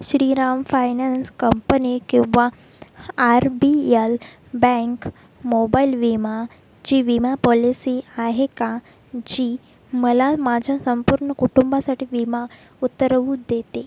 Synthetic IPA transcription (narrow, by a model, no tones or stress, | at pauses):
ɕɾiːɾamfajnanskəmpənikĩw̃ʋaː | ɾbiel | bɛ̃ŋk | mobailʋima | d͡ʑiːʋimapɔlisiːaɦeka | d͡ʑiː | məlamad͡ʑʱasəmpuɾɳəkuʈumbasaʈiːʋima | ut̪ːəɾʋuːd̪et̪e